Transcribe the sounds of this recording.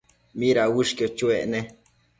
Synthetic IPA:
miɾaʔwɨʂkjot͡ʃueʔne

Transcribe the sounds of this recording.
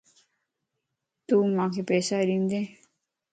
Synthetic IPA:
t̪uːmãːkʰepeːsaɾĩnd̪eː

